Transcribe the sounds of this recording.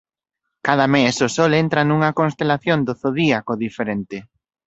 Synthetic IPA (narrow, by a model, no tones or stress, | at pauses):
kaðɐmesʊsɔlent̪ɾanuŋɐkõnst̪elaθjond̪oθoðiakoðifeɾent̪ɪ